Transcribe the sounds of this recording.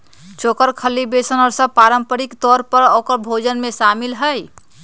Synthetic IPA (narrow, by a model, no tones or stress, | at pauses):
t͡ʃokəɾkʰəlːibesənɔɾsəb̚paɾəmpəɾikt̪ɔɾpəɾɔːkəɾbʱod͡ʒənmesamilɦəj